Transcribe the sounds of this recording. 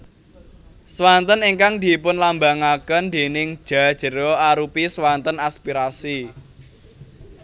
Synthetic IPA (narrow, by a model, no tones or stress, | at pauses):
swant̪əniŋkaŋd̪̥i̤pʊnlambaŋakənd̪̥e̤nɪŋ̥ʒ̥a̤d̥ʒ̥ə̤ɾɔaɾupiswant̪ənaspiɾasi